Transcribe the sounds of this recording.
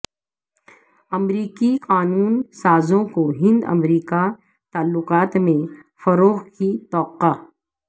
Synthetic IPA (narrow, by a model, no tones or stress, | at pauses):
ɐmɾiːkiqaːnuːnsaːzõkoɦɪ̃nd̪ɐ̰mɾiːka | t̪aːlːʊqaːt̪mẽ | fɐɾoːɣkit̪ɔːqa